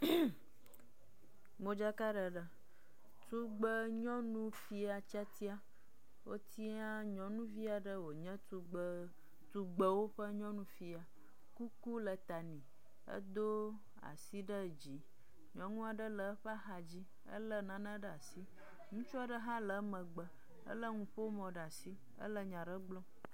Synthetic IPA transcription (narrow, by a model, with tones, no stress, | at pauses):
mo˦d͡ʒa˦ka˦ɖə˨ɖə˦ | t̪u˦ɡ͡bə˦ɲɔ̃˦nũ˦fi˦a˨t͡ʃa˦t̪i˦a˦ | wo̰˦t̪ʰi˦a˦ɲɔ̃˨nũ˦vi˦a˨ɖə˦wo˨ɲə̃˦t̪u˦ɡ͡b | t̪u˦ɡ͡bə˨wo˦ɸə˦ɲɔ̃˦nũ˦fi˦a˨ | ku˦ku˦lə˨t̪a˨nĩ˨ | ə̰˦d̪o˦ | a̰˨si˦ɖə˦˨d͡ʑi˨ | ɲɔ̃˨˦ŋũ˦a˨ɖə˦lə˨˦ɸa˦ɦa˨d͡ʑi˦ | ə̰˦lə˦nã˨˦nə̃˦ɖə˦a˨si˦ | ŋũ˦t͡ʃɔ˦a˦˨ɖə˦ɦã˦lə˨˦mə̃˨ɡ͡bə˨ | ə̰˦lə˦ŋũ˨ɸo˦o˦mɔ̃˨ɖa˨si˦ | ə̰˦lə˦ɲã˨ɖə˦ɡ͡blɔ̃˦